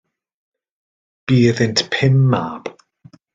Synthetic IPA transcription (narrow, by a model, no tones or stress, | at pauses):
b̥iːðɪntpʰɪmːaːb̥